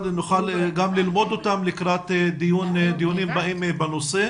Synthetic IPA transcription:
dnuχalɡamlilmo̞d̪ot̪amlikɾat̪d̪ijund̪ijunimbaʔimbanose

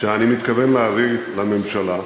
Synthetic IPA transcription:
ʃeanimit̪kave̞nlaːvilame̞mʃala

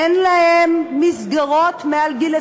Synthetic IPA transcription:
enlahemːizɡaʁot̪mealɡile

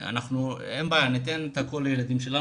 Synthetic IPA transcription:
a̰naχnuembaːjanit̪enet̪akolejelad̪imʃe̞la

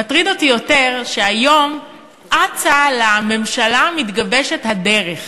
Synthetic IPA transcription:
atʁidotijo̞teʁʃeajo̞m | ʔat͡salame̞mʃalamitɡabeʃe̞thade̞ʁeχ

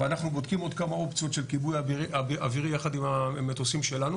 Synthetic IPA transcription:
veanaχnubod̪kimo̞d̪kamao̞pt͡sjo̞tʃe̞lkibujaiiaiaviʁijaχad̪imamːet̪osimʃe̞lanu

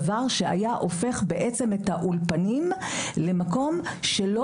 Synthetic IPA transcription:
vaʁʃea̰jaʔo̞fe̞χbeʔet͡se̞met̪aʔulpanimlemako̞mʃelo

